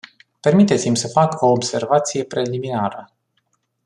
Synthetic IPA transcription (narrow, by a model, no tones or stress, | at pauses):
pe̞rmit̪e̞t̪simʲsəfako̞ːbse̞rvat̪sije̞pɾe̞liminaɾə